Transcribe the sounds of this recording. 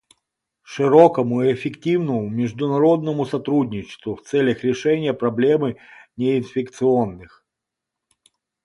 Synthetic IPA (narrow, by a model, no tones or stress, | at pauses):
ʂɨɾokəmʊiɪfʲɪktʲivnəmʊmʲɪʐd̪ʊnɐɾo̞d̪nəmʊsɐt̪ɾudʲnʲɪt͡ɕɪ̥st̪vʊft̪sɛlʲəxɾʲɪʂɛnʲɪjəpɾɐblʲemɨnʲɪɪnfʲɪkt̪sɨo̞nːɨx